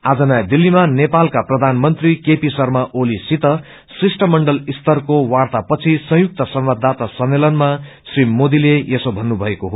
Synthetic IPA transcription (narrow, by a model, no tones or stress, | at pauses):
ad͡zʌnajd̪ilːimanepalkaprʌd̪ʱanmʌnt̪rikepisʌrmaʔolisit̪ʌ | srisʈʰʌmʌɳɖʌlist̪ʌrkowart̪apʌt͡sʰisʌ̃ɦjuk̚t̪ʌsʌmbad̪ʱːat̪asʌmːelʌnma | srimod̪ilejesobʱʌnːubʱʌekoɦo